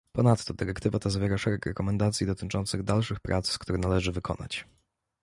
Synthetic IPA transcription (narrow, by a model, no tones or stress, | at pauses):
pɔnat̪ːɔd̪ɘɾɛkt̪ɘvat̪azavʲjeɾaʂɛɾɛkɾɛkɔmɛnd̪at̪sʲjid̪ɔt̪ɘt͡ʂɔnt̪sɘɣd̪alʂɘxpɾʔa̰t̪sskt̪uɾɛnalɛʐɘvɘkʰɔ̰na̰t͡ɕ